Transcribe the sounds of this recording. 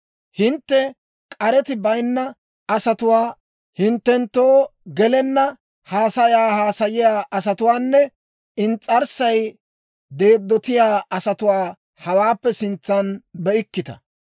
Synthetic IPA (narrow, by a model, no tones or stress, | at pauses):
hɪnt̪ːɛ | kʼɐɾɛt̪ɪbɐjnːɐ | ɐsɐt̪ʊwaː | hɪnt̪ːɛnt̪ːoːɡɛlɛnːɐ | haːsɐjaːhaːsɐjɪjaːʔɐsɐt̪ʊwaːnːɛ | ɪnt͡sʼːɐɾsɐj | d̪e̞ːd̪ːɔt̪ɪjaːʔɐsɐt̪ʊwaː | hɐwaːpːɛsɪnt͡sːɐnbɛʔɪkːɪt̪ɐ̥̰